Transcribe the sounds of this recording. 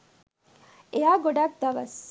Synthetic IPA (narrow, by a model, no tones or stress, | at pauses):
ʔeaːɡoɖaːk̚d̪ɐʋɐs